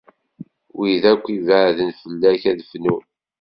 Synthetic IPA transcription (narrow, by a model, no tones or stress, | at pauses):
wiðækʷːivəðənfəlːæçæðfnu